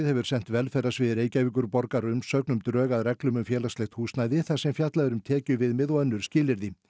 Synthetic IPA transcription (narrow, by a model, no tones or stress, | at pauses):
ðhɛvʏɾ̥sɛn̥t̪vɛlfɛrasvɪðɾeːjcajviŋk̬ʏɾpɔɾkaɾʏmsœknʏmt̪ɾœːɣaðrɛklʏmʏmfjɛːlaslejht̪huːsnaːjðɪθasɛmfjat̪laðʏɾʏmt̪ʰɛːcʏvɪðmɪðɔœnːʏɾ̥scɪːlɪɾðɪ